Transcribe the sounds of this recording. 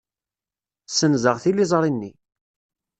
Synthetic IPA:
sənzəʁθilizˤɾˤinːi

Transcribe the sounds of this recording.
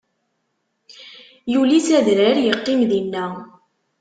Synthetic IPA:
julisæðɾæɾjəqːimðinːæ

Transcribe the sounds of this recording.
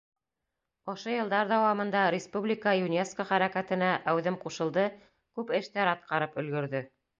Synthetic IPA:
ŏʃojɤ̆lˠd̪ɑɾd̪ɑwɑmɤ̆nd̪ɑɾʲɪspublʲikəjunʲefskəχæɾækæt̪ɘ̆næʔæwðɘmquʃɤ̆lˠd̪ɤ | kʉpɘ̆ʃt̪æɾɑt̪̚qɑɾɤpɵ̆lɡɵ̆ɾðɵ

